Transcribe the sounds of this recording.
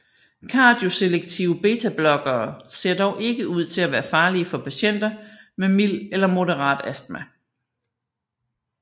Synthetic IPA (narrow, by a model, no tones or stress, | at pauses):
kʰɑ̈ːd̥jo̝se̝leɡ̥̚t͡sʰiʊəb̥e̝ːt͡sʰæb̥lɒ̽ɡ̥ɐːse̝ɐ̰d̥ɒʊʔe̝ɡ̥əuð̞̰ˠt͡sʰe̝æʋæːɐfɑ̈ːliəfɒ̽pʰæɕen̰d̥ɐmemil̰elɐmo̝ɾəʁɑ̰̈ːd̥æsd̥mæ